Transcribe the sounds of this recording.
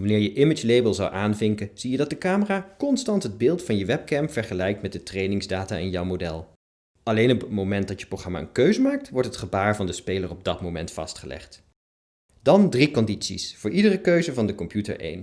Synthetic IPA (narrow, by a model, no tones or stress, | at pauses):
ʋɑnɪːɹjəʔɪmɪd͡ʒlejbəlˠzɑ̰wʔaːnvɪŋkəz̥ijədɑt̚dəkaːməraːkɔnstɑntɦəd̚bɪːlˠtfɑnjəʋɛp̚kɛmpfɛɹχəlɛjk̚tmɛt̚dətrejnɪŋzdaːtaːɪnjɔwmodɛlˠ | ɑlejnɔpətmomɛnt̚dɑtjə̥proχrɑma̰ə̰nkøɥzəmaːk̚tʋɔɹtɦətχəbaːɹvɑndəspejlərɔb̚dɑtmowmɛntfɑ̰stχəlɛ̰χt | d̥ɑndrikɔnditsḭsfʊːɹʔidərəkøɥzəvɑndəkɔmpjutə̰ɹʔḛjn